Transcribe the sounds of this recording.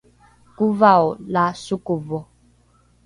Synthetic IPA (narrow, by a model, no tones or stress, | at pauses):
kuvaɔlasukuvɔ